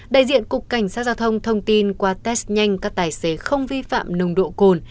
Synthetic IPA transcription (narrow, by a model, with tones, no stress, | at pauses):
ɗa̰ː˧˨jzḭ˧˨ənkʊ˨˩ək̚ːa˨˧˩jŋ̟saː˦˥t̚zaː˧wt̪ʰə˧wŋ͡mt̪ʰə˧wŋ͡mt̪i˧nkwaː˧t̪ɛ˦˥st̚ɲa˧jŋ̟kaː˦˥k̚t̪aː˨˩jse˨˦xə˧wŋ͡mvi˧fa̰ː˧˨mnə˨˩wŋ͡mɗo̰˧˨ko˨˩n